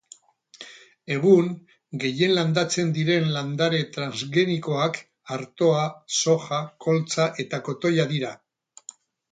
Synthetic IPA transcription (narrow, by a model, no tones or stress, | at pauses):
e̞ɣ̞uŋ | ɡe̞je̞nland̪at͡se̞nd̪iɾe̞nland̪aɾe̞t̪ɾanzɣe̞niko̞ak | aɾt̪o̞aso̞xako̞lt͡saʔe̞t̪ako̞t̪o̞jaðiɾa